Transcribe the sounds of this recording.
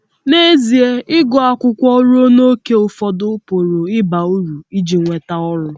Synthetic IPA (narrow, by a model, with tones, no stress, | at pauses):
ne˦zi˨e˦ʔɪ˦ɡɔ˨a˨kʷʊ˦kʷɔ˦ɾu˦o˦no˦ke˦ʊ˨fɔ˨dʊ˦po˨ɾo˨ɪ˦ba˨u˦ɾu˨i˦d͡ʒi˨ŋʷe˨ta˦ɔ˦ɾʊ˦